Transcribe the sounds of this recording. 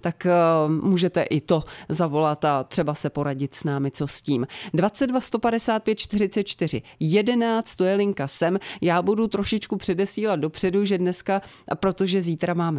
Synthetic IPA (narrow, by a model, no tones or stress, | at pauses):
t̪akmuːʒɛt̪ɛʔɪt̪o̞zavo̞lat̪at̪r̝̥ɛbasɛpo̞ɾaɟɪt̪snaːmɪt͡so̞sciːmdvat͡sɛd̪vast̪o̞padɛsaːt̪̚pjɛt̪̚t͡ʃt̪ɪrɪt͡sɛt̪̚t͡ʃt̪ɪr̝ɪ̰jɛdɛnaːt͡st̪t̪ojɛlɪŋkasɛmjaːbudut̪ɾo̞ʃɪt͡ʃkupr̝̥ɛdɛsiːlad̪̚do̞pr̥ɛduʒɛdnɛska | pɾo̞t̪o̞ʒɛziːt̪ɾamaːmɛ